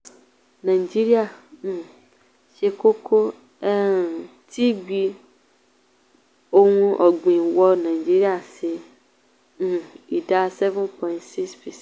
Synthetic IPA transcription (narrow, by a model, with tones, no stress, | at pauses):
nã˨d͡ʒi˦ɾi˦a˨ | ʃe˨ko˦kʰo˦ | ɛ˦ | tʰi˦ɡ͡bi˦ | o˦ŋũ˦ʔɔ˨ɡ͡bĩ˨wɔ˦nã˨d͡ʒi˦ɾi˦a˨sɪ˨ | i˨da˦sɛ˦vɛ̃˦npʰɔ˨ĩ˨ntsi˦kspʰi˨s